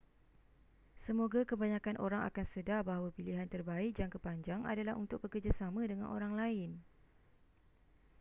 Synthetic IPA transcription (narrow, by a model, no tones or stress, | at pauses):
səmoɡakəbaɲãkanʔoɾaŋa̰kansədabaɦawapiliɦant̪ərbaɪk̚d͡ʒaŋkəpaɲd͡ʒaŋa̰dalaɦunt̪ʊk̚bəkərd͡ʒasamãdəŋã̰nʔo̰ɾaŋlaɪn